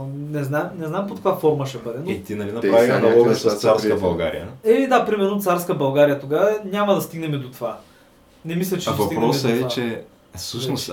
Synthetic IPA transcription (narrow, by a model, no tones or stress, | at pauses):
nɛznaɛmnɛznaɛmpokɐkvafɔɾməʃɛbɤd̪ɛnit̪inɐlinɐɾaviɐosɐst̪saɾsəbɐlˠɡa̰ɾḭjə̰ɛid̪apɾimɛɾnot̪saɾskəbɐlˠɡaɾijət̪oɡavɐnʲaməd̪ɐst̪iɡnɛmɛd̪ot̪ova | nɛmislʲɛt͡ʃɛavɐt̪iɡpɾɔsəɛt͡ʃɛ | fsɤʃnos